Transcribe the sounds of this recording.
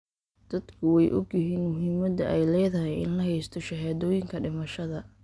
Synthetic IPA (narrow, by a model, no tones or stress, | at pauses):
d̪̥ɐd̪kʰʊwɛjʔɔɡjɪɦiːnmʊɦiːmɐd̪ɐʔɛjlɛːðɐɦɛjɪ̰nlɐɦɛjst̪ʰɔʃɐɦaːðɔːjɪŋkʰɐɖɪmɐʃɐðɐ